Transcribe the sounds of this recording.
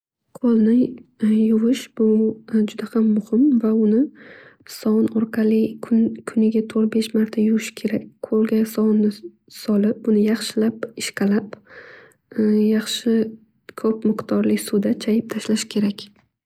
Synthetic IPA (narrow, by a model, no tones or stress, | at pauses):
qʰolˠnɪjʊvɪʃb̥ʊd͡ʒʊd̪ahamːʊhɪmvaʊnɪ | sɒnɒɾqʰɑlɪkʰʊnkʰʊnɪɡʲat̪ʰoɾbe̞ʃmaɾt̪ʰajʊɾɪʃɪ̥kʲʰe̞ɾakʲqʰolˠɡʲasɒnːɪ | sɒlɪp̚bʊnɪjɑχʃɪlapɪʃqʰɑlap | jɑχʃɪ | kʰɵpmɪqt̪ʰɒɾlɪsʊd̪at͡ʃʰajɪp̚t̪ʰaʃlaʃɪ̥kʲʰe̞ɾakʲ